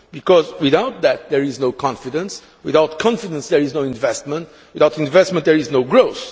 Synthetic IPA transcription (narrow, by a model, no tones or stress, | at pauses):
bikɔzwiðawt̪̚ðæt̪̚ðɛɹiznoʊkʰɑ̃nfidə̃ns | wiðaʊtkʰɑ̃nfidə̃nsðɛɹiznoĩnvɛstmə̃nt | wiðaʊtĩnvɛstmə̃ntðɛɹiznoʊɡɹoʊθ